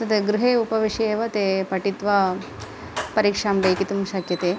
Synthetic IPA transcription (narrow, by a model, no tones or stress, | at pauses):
t̪ɐt̪eɡɾɪɦeːupɐʋiʂeːʋɐt̪epɐʈit̪ʋaː | pɐɾiːkʂaːmɖɐjkit̪umʃɐkjɐt̪eː